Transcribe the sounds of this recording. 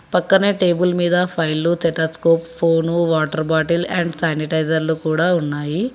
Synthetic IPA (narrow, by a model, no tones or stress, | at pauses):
pɐkːɐneːʈeːbulmiːd̪ɐpʰɐjlut̪eʈɐskoːppʰoːnuʋaːʈɐɾbaːʈilɛɳɖsaːniʈɐjd͡ʒɐɾlukuːɽaːunːaːji